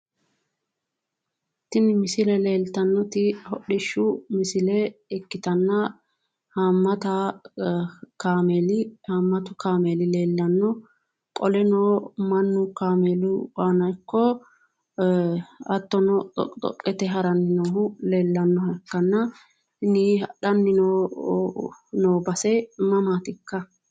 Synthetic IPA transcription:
t̪ːɪnɪmɪsɪlɛle̞ːlt̪ɐnːɔt̪ɪhɔɗɪʃːʊmɪsɪlɛɛkːɪt̪ɐnːɐ | haːmːɐt̪a | kaːmeːlɪhaːmːɐt̪ʊkaːmeːlɪle̞ːlːɐnːɔ | kʼɔlɛnoːmɐnːʊkaːmeːlʊbaːnɐjkːɔ | ɐt̪ːɔnɔɔ̰t̪ʼɔ̰kʼːɛt̪ɛɦɐɾɐnːɪnoːɦʊle̞ːlːɐnːɔɐkːɐnːɐ | niᶑɐnːɪnoː | noːbɐsɛmɐmaːt̪ɪkːɐ

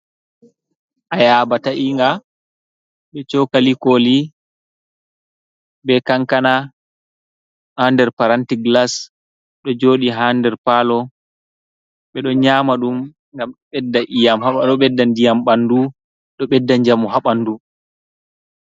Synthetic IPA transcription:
ʔajaːbataʔiŋɡa | ɓɛt͡ʃɔkalikoli | bɛkaŋkana | handɛɾpaɾantiɡlas | ɗɔd͡ʒoːɗiɦandɛɾpaːlɔ | ɓɛɗɔɲaːmaɗum | ŋɡamɓɛdːaʔijamhaaɗɔɓɛdːandijamɓandu | ɗɔɓɛdːaɲd͡ʒamɔɦaɓandu

